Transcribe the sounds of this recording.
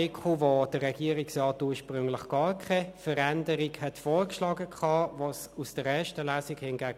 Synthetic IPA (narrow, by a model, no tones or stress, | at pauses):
ekʰuvod̥əʁɛɡ̥iəɾiksrɑːtuːɐʃpʁʏŋlɪχɡ̥ɑːʁkʰχafəʁɛndəʁiɡhɛtfoːɾkʃlɑːɡəkʰχɑːvos | usd̥əɾɛːɐʃtəlæːsikhɪnɡæːɡ